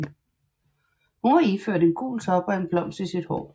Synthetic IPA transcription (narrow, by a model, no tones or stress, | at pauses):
hunhɑ̈iføɐ̰denɡ̥o̰ːlt͡sʰɒ̽b̥ɐenb̥lɒ̽m̰səisid̥hɒ̰ː